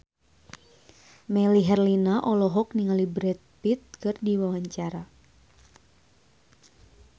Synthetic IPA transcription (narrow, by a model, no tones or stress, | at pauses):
mɛliɦɛrlinaʔɔlɔɦɔk̚niŋalibɾɛt̪̚pit̪̚kɨrdiwawaɲt͡ʃaɾa